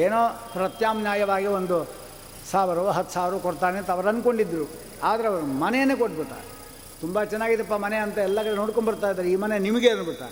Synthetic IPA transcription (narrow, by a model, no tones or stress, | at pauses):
eːnoːpɾɐt̪jaːmnjaːjɐʋaːɡiond̪u | saːʋiɾɐɦɐt̪ːu̥saːʋiɾɐʋkoɽt̪aːnet̪ɐʋɐɾɐnko̞ɳɖid̪ːɾu | aːd̪ɐɾeɐʋɐɾɐmɐnejɐnːeːkoʈːbut̪a̰ɾ | t̪umbɐt͡ʃɛnːaːɡit̪ɐpːɐmɐneɐnt̪ɐɛlːɐkɐɾenoːɽkoɳbɐɾt̪aːjd̪aːɾeiːmɐnenimɐɡenbuɾt̪a̰ːɾe